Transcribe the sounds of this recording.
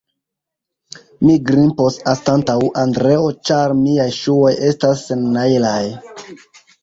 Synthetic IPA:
miɡɾimpo̞sastantawʔandɾe̞o̞t͡ʃaɾmiajʃuo̞je̞stasːe̞nːailaj

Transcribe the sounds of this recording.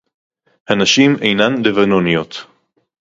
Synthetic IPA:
hanaʃimejnanlevanonijot̪

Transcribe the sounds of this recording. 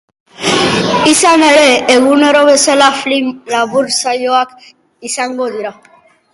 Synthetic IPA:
isaneɾeːɣuneɾoβeselaflimlaβuɾsajoak | isaŋɡod̪iɾa

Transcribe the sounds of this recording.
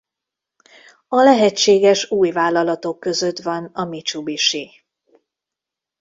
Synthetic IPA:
ɒlɛɦɛt͡ʃːeːɡɛʃuːjvaːlːɒlɒt̪o̞kːø̞zøt̪vɒnɒmit͡ʃubiʃi

